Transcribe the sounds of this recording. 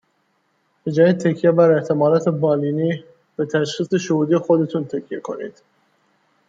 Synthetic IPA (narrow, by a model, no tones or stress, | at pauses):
b̥ed͡ʒɒːjid̪̚t̪ʰæcʰijebæɾeht̪ʰemɒːlɒːt̪ʰebɒːliːniː | bet̪ʰæʃxiːseʃohuːd̪iexod̪e̞t̪ʰunt̪ʰæcʰijekʰo̞̰nḭd̪̥